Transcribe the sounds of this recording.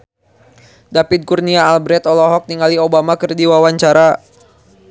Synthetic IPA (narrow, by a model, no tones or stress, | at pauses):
dapid̪̚kurniaːlbɾɛt̪ɔlɔɦɔk̚niŋaliobamakərdiwawaɲt͡ʃaɾa